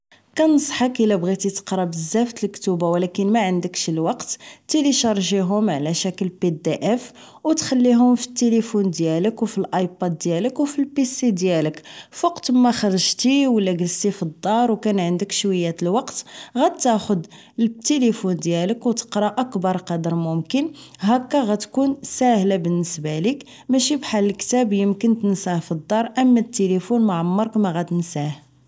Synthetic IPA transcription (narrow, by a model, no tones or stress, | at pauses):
kænəsˤħɑkʔəlæbɣit̪it̪ə̥qɾˤɑbəzːæft̪əlkt̪ubawlækənmæʕənd̪əkʃlwɑqt̪ːiliʃɑɾˤʒiɦʊmʕlæʃækəlped̪eʔæf | wt̪xælːiɦʊmfi̥t̪ːelifund̪jæləkwfilʔɑjpɑd̪̚ːjæləkwfilpisid̪jæləkfwɑqt̪mːæxɑɾəʒt̪iwəlːæɡəlst̪ifid̪ˤːɑɾˤwkænʕənd̪əkʃwəjːæt̪əlwɑqt̪ɣæd̪̚t̪ːæxʊd̪ | t̪ːelifund̪jæləkwt̪ə̥qɾˤɑʔəkbɑɾˤqɑd̪əɾmʊmkənɦækːæɣæt̪kunsæhlabənːəsbælik | mæʃibħalːəkt̪æbjəmkənt̪nsæhfid̪ˤːɑɾˤʔəmːæt̪ːelifunmaʕmːɑɾˤkmæɣæd̪ənsæh